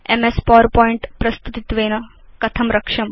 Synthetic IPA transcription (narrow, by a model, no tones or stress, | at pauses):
ḛmespɔːɾpɔːiɳʈpɾɐst̪ut̪it̪ʋeːnɐkɐt̪ʰɐmɾɐkʂɐm